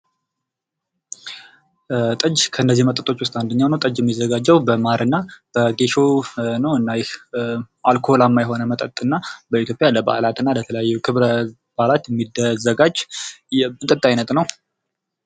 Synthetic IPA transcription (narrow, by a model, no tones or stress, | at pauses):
t̪ʼɨd͡ʒkʰəɨnːəzːimət̪ʼət̪ʼo̞t͡ʃːwʊst̪ʼand̪əɲːawnəwt̪ʼəd͡ʒjɛmːizːəɡad͡ʒːəwbəmaɾɨnːab̥əɡe̞ʃo̞nəwɨnːajɛ | ʔalkʰolamːajɦo̞nəmət̪ʼət̪ʼɨnːabəit̪jo̞pʼjaləba̰lat̪ɨnːalət̪ʰələjajːɛkʰɨβɾə | b̥alat̪jɛmːid̪əzəɡad͡ʒ | ɨnt̪ʼət̪ʼːajnət̪ʼnəw